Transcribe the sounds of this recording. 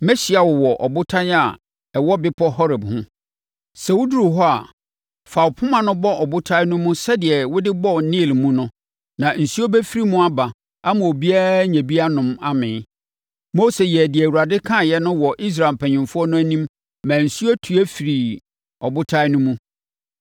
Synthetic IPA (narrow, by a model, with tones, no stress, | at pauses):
mɛ˦ɕi˨a˨wʊ˨wɔ˨ʔɔ̰˨bʊ˦tʰã˦n˦a˨ | ɛ˨wɔ˦bɪ˦pʰɔ˦hɔ˦ɾɪ˨bhʊ̃˦ | sɛ˨wʊ˦du˦ɾu˨ɦɔ˦a̰˨ | fa˨wʊ˨pʰʊ̃˦mã˨nʊ̃˦bɔ˦ʔɔ˨bʊ˦tʰa˦ɪ˦nʊ̃˦mũ˦sɛ˦dɪ˨ɛ˨wʊ˦dɪ˦bɔ˦˨˦nĩ˦˨lmũ˦nʊ̃˦ | nã˨n̩˨su˦ɔ˦bɛ˦fi˦ɾi˦mũ˦a˦ba˨ | a˦mʊ̃˨o˨bi˦a˦ɲɛ̃˨bi˦a˦nʊ̃˨ma˦mɪ̃˨˦ | mo˦se˨jɛ˨dɪ˨ɛ˨u˨ɾa˨dɪ˦kʰã˦˨jɛ˦nʊ̃˦wɔ˨ʔi˦s̬ɾa˨lpʰæ̃˨ɲɪ̃˨mfʊ˦ɔ˦nʊ̃˦æ˦nĩ˦mː | æ̃ː˨n̩˨su˦ɔ˦tʰu˨˦æ˦fi˨ɾi˨ | ɔ˨bʊ˦tʰa˦ɪ˦nʊ̃˦mũ˦